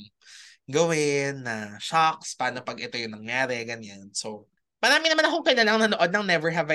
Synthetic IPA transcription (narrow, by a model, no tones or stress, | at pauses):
ɡɐwɪnːɐʃakspɐaːnopɐɡɛt̪ojoŋnɐŋjaːɾɛɡɐɲanso | mɐɾaːmɪnɐmanɐɦoŋkɐnɐlɐŋnɐnoʔo̞d̪̚nɐŋnɛvɛɹɦɛva